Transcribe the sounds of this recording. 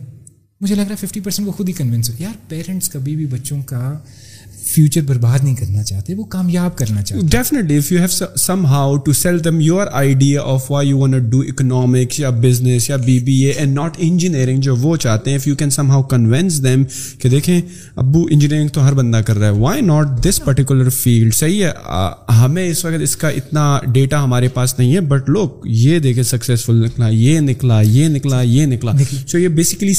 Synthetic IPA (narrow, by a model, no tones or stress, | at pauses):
mʊd͡ʒʱelɐɡɾaːɦɛfɪfʈipɐɾsɛ̃ɳʈʋoxʊd̪ʱikɐ̃nʋɪ̃nsojaːɾpɛːɾə̃ɳʈskɐbʱibʱibɐtːʃõka | fjuːt͡ʃəɾbɐɾbaːd̪nɐɦĩkɐɾnat͡ʃaːt̪eʋoːkaːmjaːb̚kɐɾnat͡ʃaːɖɛfɪnəʈliɪfjuːɦɛʋsɐ̃mɦaːʊʈusɛld̪ɛ̃mjɔːɾa̰ːɪɖiːaʔɔfʋaːɪjuːʋãːnɐɖuːʔɪ̰kənɔːmɪksjaːbɪznɪsjaːbiːbiːeʔɛ̃nɖnɔːʈɪ̃nd͡ʒɪniːɾɪ̃ŋɡd͡ʒoːʋoːt͡ʃaːt̪ẽɦɛ̃ɪfjuːkɛ̃nsɐ̃mɦaːʊkə̃nʋɪ̃nsd̪ɛ̃mked̪eːkʰẽː | ɐ̰buʔɪ̃nd͡ʒɪniːɾɪ̃ŋɡt̪oɦɐɾbɐ̃nd̪akɐɾːaːɦɛʋaːɪnɔːʈ̚d̪ɪspɐɾʈɪk̬jʊləɾfiːlɖsɐɦiɦɛ̰ɦɐmẽɪsʋɐkət̪ɪskaʔɪ̰t̪naɖeːʈaɦɐmaːɾepaːsnɐɦĩɦɛbɐʈloːk̚jed̪eːkʰẽsɐksɛsfʊlnɪklajenɪklajenɪklajenɪklasoːjebeːsɪ̥kəli